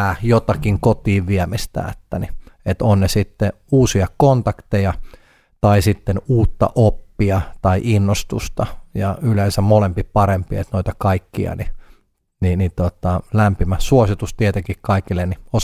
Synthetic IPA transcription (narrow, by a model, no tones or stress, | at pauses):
æjot̪ɑkiŋkot̪iːʋʋiɛmist̪æ̰ːet̪ːæniet̪onnesit̪ːe | uːsiɑkont̪ɑkt̪ejɑ | t̪ɑisit̪ːenuːt̪ːɑ̰ʔopːiɑt̪ɑiʔinːost̪ust̪ɑjɑyleːnsæmmolempipɑɾempiḛt̪noit̪ɑkɑikːiɑ̰ni | ninit̪ot̪ɑlæmpimæsuosit̪ust̪iet̪eŋkikkɑikilːenios